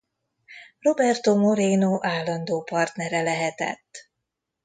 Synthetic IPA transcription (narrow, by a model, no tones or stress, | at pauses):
ro̞bɛrt̪omo̞ɾeːnoːʔaːlːɒnd̪oːpɒrt̪nɛɾɛlɛɦɛt̪ɛ̰t̪ː